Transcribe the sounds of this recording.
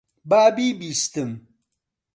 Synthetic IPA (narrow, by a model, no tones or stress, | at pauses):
baːbibist̪əm